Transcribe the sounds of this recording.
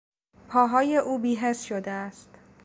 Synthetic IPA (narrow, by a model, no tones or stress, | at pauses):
pʰɒːɦɒːje̞ʔuːbiːɦe̞sʃod̪eæst̪